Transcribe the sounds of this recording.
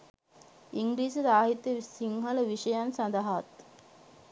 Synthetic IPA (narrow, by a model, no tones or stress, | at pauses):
iŋɡɾiːsɐsaːɦit̪jəsiŋɦələʋiɕɐjansɐnd̪aɦat̪